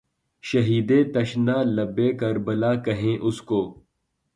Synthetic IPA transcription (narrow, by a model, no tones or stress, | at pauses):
ʃɐɦiːd̪ẽːt̪ɐʃnaːlɐbːeːkɐɾbɐlaːkɐɦẽːʔʊskoː